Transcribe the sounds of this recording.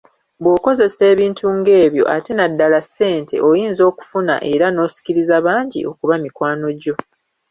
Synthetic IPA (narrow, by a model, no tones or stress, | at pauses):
bwoko̞ze̞se̞ːβiːntuŋɡe̞ːβjo̞̰ʔate̞nadːalasːe̞ːntʰe̞̰ʔo̞jiːnzo̞ːku̥funa̰ʔe̞ɾano̞ːsi̥ciɾizaβaːɲɟḭo̞kuβamikwaːno̞ɟo̞